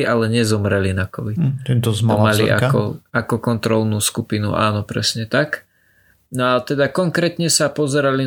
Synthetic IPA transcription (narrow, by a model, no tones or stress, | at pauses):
iʔalɛɲɛzɔmɾɛlinakɔʋit̪ɛt̪ɔzmɔmaliʔa̰kɔakɔkɔnt̪ɾɔlnuːskupinṵʔa̰ːnɔpɾɛ̰sɲɛt̪ak | nɔat̪ɛd̪akɔŋkɾɛːt̪ɲɛsapɔzɛɾali